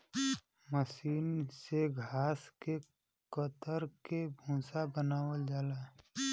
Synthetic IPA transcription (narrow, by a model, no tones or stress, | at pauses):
məsiːnseɡʱaːske | kət̪əɾkebʱũːsabənaːwəld͡ʒaːlaː